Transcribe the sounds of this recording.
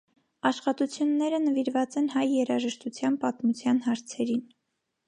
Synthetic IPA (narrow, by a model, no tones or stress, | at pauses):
ɑʃχɑt̪ut͡sʰjunːɛɾənəviɾvɑt͡sɛnhɑjːɛɾɑʒəʃt̪ut͡sʰjɑnpɑt̪mut͡sʰjɑnɦɑɾt͡sʰɛɾin